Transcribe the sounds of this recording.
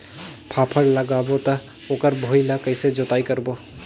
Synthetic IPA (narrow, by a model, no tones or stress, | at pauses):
pʰapʰəɾləɡabot̪ə | oːkəɾbʱoilakəɪsed͡ʒot̪aikəɾbo